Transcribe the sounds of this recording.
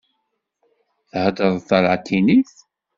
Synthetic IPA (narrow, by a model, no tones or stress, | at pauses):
θhəd̪əðˤθəɾʕt̪ʰːiniθ